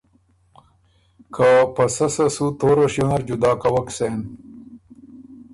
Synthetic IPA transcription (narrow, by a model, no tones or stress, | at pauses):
kʰapɐsɐsɐsut̪oːɾɐɕjonɐɾd͡ʑud̪aːkɐwɐkseːn